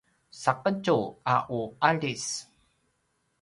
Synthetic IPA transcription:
saqəɟuaʔuaɭis

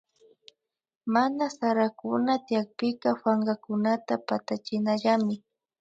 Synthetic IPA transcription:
manasaɾakʊnat̪ɪjak̚pɪkɑfaɴɢɑkʊnat̪apat̪at͡ʃɪnaʎamɪ

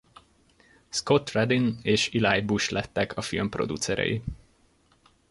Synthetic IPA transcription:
sko̞t̪rɛd̪ineːʃilaːjbuʃlʔɛt̪ːɛkʰɒfilmpro̞̰d̪ut̪sɛɾɛ̰ji

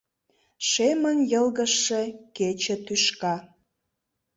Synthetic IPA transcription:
ʃemənjəlɣəʃːĕket͡ɕĕt̪yʃkɑ

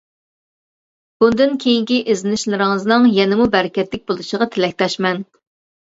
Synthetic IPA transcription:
b̥und̪ɨnkʲʰejiŋkʲiʔezɪnɪʃlˠɨɾɪŋɨznɨŋjɛnɪmubɛɾɪkʲɛt̪lɪk̚ʲbolˠuʃəʁɑt̪ʰelɛk̚ʲt̪ɛʃmɛn

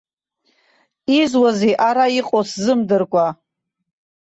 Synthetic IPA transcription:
izwaziʔaɾaiqʼoszɨmdɨrkʷʼa

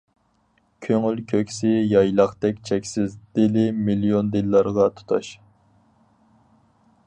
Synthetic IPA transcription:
kʲʰøŋylkʲʰøkʲsɪjɑjlˠɑχt̪ɛkʲt͡ʃʰɛkʲsɪzd̪̥ɪlɪmilijond̪ɪlːɑɾʁɑt̪ʰu̥t̪ʰɑʃ

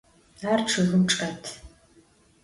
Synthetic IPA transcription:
arʈ͡ʂʰɨɣɨmʈ͡ʂʼatʰ

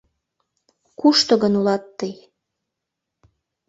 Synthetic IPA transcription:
kuʃt̪ŏɣənulɑt̪ːəj

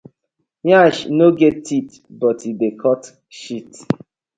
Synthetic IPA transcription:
jãʃnoɡɛtːit | bɔtʰidekʰɔt | ʃit

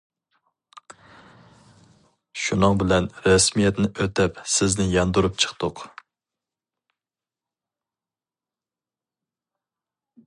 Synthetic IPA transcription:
ʃunɨŋbɪlɛnɾɛsmijɛt̪nɪʔøt̪ɛpsɪznɪjɑnd̪uɾup̚t͡ʃʰə̥χt̪ʊq

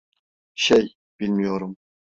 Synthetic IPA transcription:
ʃɛj | b̥ilmijoɾum

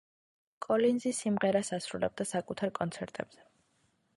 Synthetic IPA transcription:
kʼɔlinzisimʁɛɾasasɾulɛ̰b̚d̪asakʼut̪ʰaɾkʼɔnt̪sʰɛɾt̪ʼɛb̥z̥ɛ

